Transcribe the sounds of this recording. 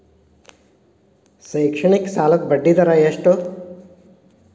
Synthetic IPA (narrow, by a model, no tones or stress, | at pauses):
sɐjkʂɐɳiksaːlɐk̪̚bɐɖːit̪ɐɾajeʂʈo